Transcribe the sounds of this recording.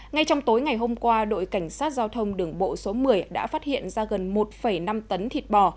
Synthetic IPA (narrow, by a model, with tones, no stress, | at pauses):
ŋa˧jt͡ɕɔ˧wŋ͡mt̪o˨˦jŋa˨˩jɦo˧mkwaː˧ɗo̰˧˨jka˧˩jŋ̟saː˦˥t̚zaː˧wt̪ʰə˧wŋ͡mɗɨ˧˩əŋɓo̰˧˨so˨˦mɨ˨˩əjɗa̰ː˧˥faː˦˥t̚hḭ˧˨ənzaː˧ɣə˨˩nmo˨˩t̚fə˧˩jna˧mt̪ə˨˦nt̪ʰi˨˩t̚ɓɔ˨˩